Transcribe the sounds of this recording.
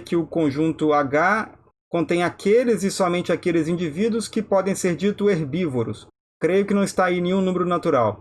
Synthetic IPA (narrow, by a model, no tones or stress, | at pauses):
kɪʊkõʒũnt̪ʊaɡa | kõt̪ẽj̃akʰelɪzɪsɔmẽnt͡ʃɪakelɪzĩd͡ʒivid̪wʊskɪpɔd̪ẽj̃seɾd͡ʒit̪ʊeɾbivoɾʊs | kɾejʊkɪnɐ̃w̃ist̪aĩnẽj̃ɲũnũmeɾʊnat̪uɾaw